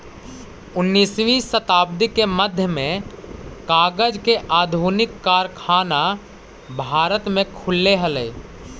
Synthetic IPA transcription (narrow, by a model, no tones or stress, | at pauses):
ʊnːiːsʋisət̪aːb̚d̪ikeməd̪ʱjəmẽ | kaːɡəd͡ʒkeʔaːd̪ʱuːnɪkːaːɾkʰaːna | bʱaːɾət̪mẽkʰʊlːeɦələ